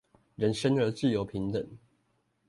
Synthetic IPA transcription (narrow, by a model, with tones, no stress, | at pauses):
ɻə˨˦nʂə˦nə˨˧˥t͡sɹ̩˥˨jo˨˥ʊpʰi˨˦ŋt̪ə˨˩˦ŋ